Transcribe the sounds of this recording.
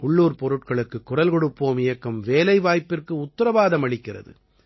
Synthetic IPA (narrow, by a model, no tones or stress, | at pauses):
ʊɭːuːɾpɔɾɯʈ̚kɐɭɯkːɯkːʊrɐlkɔɽɯpːoːmɪjɐkːɐmʋeːlɐɪʋaːjpɪrkɯʊt̪ːɪɾɐʋaːðɐmɐɭɪkːɪrɐ̰ðɯ̰